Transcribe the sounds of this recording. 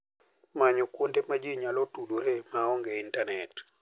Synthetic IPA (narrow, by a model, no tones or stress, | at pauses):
maɲɔkwontemad͡ʒiɲalɔtudoɾemaɔŋɡɛintanɛt